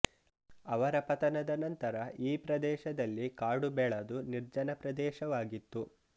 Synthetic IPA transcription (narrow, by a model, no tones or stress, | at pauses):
ɐʋɐɾɐpɐt̪ɐnɐd̪ɐnɐnt̪ɐɾɐʔiːpɾɐd̪ɛːʃɐd̪ɐlːikaːɽubɛːɭɐd̪uniɾd͡ʒɐnɐpɾɐd̪ɛːʃɐʋaːɡit̪ːu